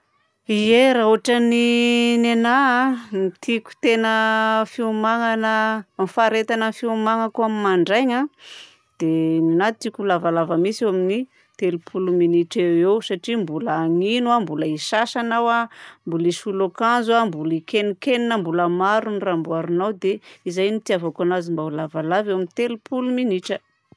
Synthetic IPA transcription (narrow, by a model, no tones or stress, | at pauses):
ieɾaɦuʈ͡ʂaninenamit̪ʰiku̥t̪enəfiumaŋanəmifaɾet̪anəfiumaŋakuamimaɳɖ͡ʐajɲa | d̪̥eninat̪t̪ikulavalavəmisewamini | t̪elupʰuluminiʈ͡ʂewewsaʈ͡ʂimbulaːŋinwambuləisasanawambuliʃulokanzuambulikenikeninəmbuləmaɾunrambuaɾunawd̪eizajnit̪iavokanazimbaulavalavewaminit̪elupʰuluminiʈ͡ʂə